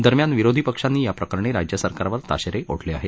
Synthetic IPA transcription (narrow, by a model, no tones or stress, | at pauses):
d̪əɾmjanʋiɾod̪ʱipəkʂanːiːjapɾəkəɾɳeɾad͡ʑjəsəɾkaɾaʋəɾt̪a̰ɕeɾeʔo̰ʈʰleaɦe